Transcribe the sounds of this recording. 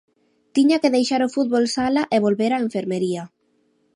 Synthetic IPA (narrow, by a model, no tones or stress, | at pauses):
t̪iɲakeðejʃaɾofut̪̚βolsalaʔeβ̞olβeɾaeɱfeɾmeɾia